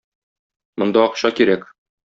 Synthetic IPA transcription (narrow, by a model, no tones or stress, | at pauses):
mŏnd̪ɑɒqɕɑkiɾæk